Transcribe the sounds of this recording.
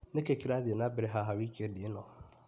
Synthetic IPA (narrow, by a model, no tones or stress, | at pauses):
nekekiɾadɪenãbɪɾɛɦaɦawikʰedɪenɔ̰̃